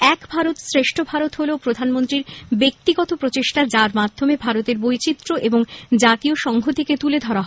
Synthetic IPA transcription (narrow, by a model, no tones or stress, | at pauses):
ɛkbʱaɾot̪sɾeʃʈʰobʱaɾot̪ɦoleopɾod̪ʱanmont̪ɾiɾbek̚t̪iɡɔt̪opɾot͡ɕeʃʈad͡ʑaɾmad̪ʱːomebʱaɾot̪eɾbojt͡ɕit̪ːɾoʔeboŋd͡ʑat̪ioʃɔŋɡʱot̪ʰeket̪uled̪ʱɔɾaɦ